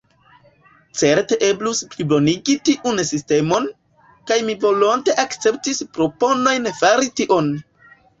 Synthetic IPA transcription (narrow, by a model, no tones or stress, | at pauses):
t͡se̞ɾte̞ʔe̞blusplibo̞niɡitiʔunsiste̞mo̞n | kajmivo̞lo̞nte̞ʔakt͡se̞p̚tispɾo̞po̞no̞jnfaɾitiʔo̞n